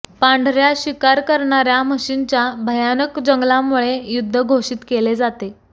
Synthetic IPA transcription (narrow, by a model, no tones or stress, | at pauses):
pãɳɖʱɾjaɕikaɾkəɾɳaɾjaməɕint͡ɕjabʱəjanəkd͡ʑəŋɡlamuɭejud̪ʱːəɡʱoʂiːt̪keled͡zat̪e